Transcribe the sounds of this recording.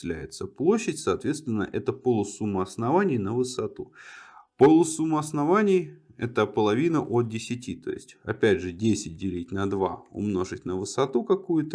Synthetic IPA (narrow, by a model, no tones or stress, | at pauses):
lʲæ̰jɪt̪səplˠoɕːɪtʲsɐːt̪vʲe̞t̪st̪vʲɪnːə̰ʔɛt̪əpolˠʊsumːəɐsnɐvanʲɪjnəvɨsɐt̪upolˠʊsumːəɐsnɐvanʲɪjɛt̪əpəlˠɐvʲinəʔot̪̚dʲɪsʲɪtʲit̪o̞̰jɪ̰sʲtʲɐ̰pʲædʲʐɨdʲesʲɪt̚ʲdʲɪlʲitʲnɐd̪va̰ʊ̰mno̞ʐɨtʲnəvɨsɐt̪ukɐkujʊt̪ə